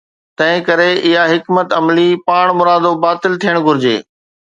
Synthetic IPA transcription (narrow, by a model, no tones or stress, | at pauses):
t̪ɐ̃ɦɪ̃kɐɾeʔɪɦaɦɪkmət̪ɐmlipaːɽ̃mʊɾaːd̪obaːt̪ɪlt̪ʰijəɽ̃ɡʱʊɾɪd͡ʑḛː